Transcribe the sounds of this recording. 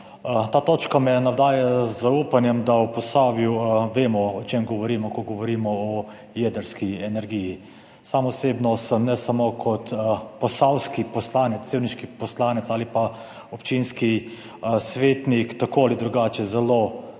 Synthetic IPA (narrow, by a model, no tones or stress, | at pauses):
t̪aːt̪oːt͡ʃkamɛnawd̪aːjazːauːpanjɛmd̪awpɔsaːbiwʋeːmɔɔt͡ʃeːmɡɔʋɔɾiːmɔkɔɡɔʋɔɾiːmɔɔ | jed̪əɾskiɛnɛɾɡiji | saːmɔseːbnɔsəmnɛsamoːkʰɔt̪pɔsawskipɔslaːnɛt̪ːeːwniʃkipɔslaːnɛt̪saːlipa | ɔpt͡ʃinski | sʋeːt̪nikt̪akoːalid̪ɾuɡaːt͡ʃɛzɛlo